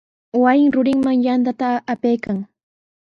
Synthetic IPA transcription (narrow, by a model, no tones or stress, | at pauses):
wajɪŋɾʊɾɪŋmaŋjant̪at̪aːpejkaŋ